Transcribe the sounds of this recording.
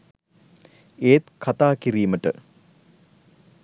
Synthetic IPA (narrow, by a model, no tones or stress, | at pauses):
eːt̪kʰat̪aːkiɾiːməʈə̰